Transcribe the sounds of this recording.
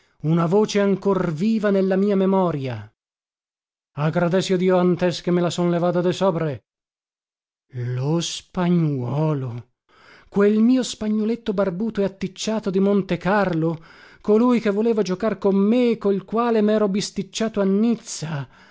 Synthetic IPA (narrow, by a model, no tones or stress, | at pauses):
unavoːt͡ʃeaŋkorviːvanelːamiːamemɔːɾja | aɡɾad̪ɛsod̪iːoant̪eskemːelasonlevaːt̪̬ad̪esɔːpɾe | lospaɲːwɔːlo | kwelmiːospaɲːolet̪ːobarbuːt̪oeat̪ːit͡ʃːaːt̪od̪imont̪ekarlokolujkevːoleːvod͡ʒokarkomːekːoilkwaːlemɛːɾobist̪it͡ʃːaːt̪oanːit̪sa